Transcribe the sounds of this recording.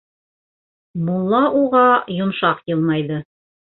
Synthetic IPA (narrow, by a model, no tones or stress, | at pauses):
mulˠːɑʔuʁɑjŏmʃɑqjɤlˠmɑjðɤ